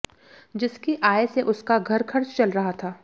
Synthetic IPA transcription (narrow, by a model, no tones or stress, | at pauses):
d͡ʒɪskiʔaːeseʔʊskaɡʱɐɾkʰɐɾt͡ʃt͡ʃɐlɾɐɦat̪ʰaː